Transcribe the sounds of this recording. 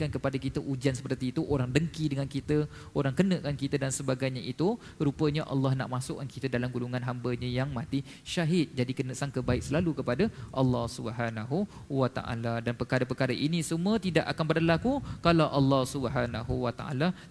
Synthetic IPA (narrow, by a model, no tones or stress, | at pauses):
kankəpadakit̪əʔud͡ʒansəpərt̪iːt̪uʔoɾaŋdəŋkidəŋankit̪ə | oɾaŋkənəʔkankit̪ədansəbaɡajɲaʔit̪u | ɾupəɲaʔɑ̰lːɑhna̰ʔmasʊkːankit̪ədalamɡuluŋanɦambəɲəjaŋmãt̪i | ʃaɦɪt̪̚d͡ʒadikənəʔsaŋkəbaɪk̚səlalukəpadaʔɑlːɑhsubəɦanaɦu | wat̪a̰ʔa̰ladanpəkaɾəpəkaɾəʔinĩsəmũət̪idaʔakanbədalakukalawʔɑlːɑhsubəɦanaɦuwat̪a̰ʔa̰la